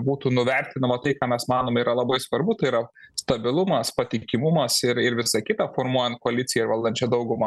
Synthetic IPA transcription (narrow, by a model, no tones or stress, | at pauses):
buːt̪uːnʊʋʲɛɾʲt̪ʲɪnɐmɐt̪ɐɪkɑːmʲɛsmɑːnoːmiːɾɐlˠɐbɐɪsʋɐrbʊt̪ɐɪiɾɐst̪ɐbʲɪlˠʊmɐspɐt̪ʲɪkʲɪmʊmɐsɪɾɪɾʋʲɪsɑkʲɪt̪ɑfoːrmuɔjɛnt̪̚koɐlʲɪtt͡s̪ʲɪjɛɪɾʋɐlˠd̪ɐnʲt͡ʃʲɛd̪ɐʊɡʊmɑː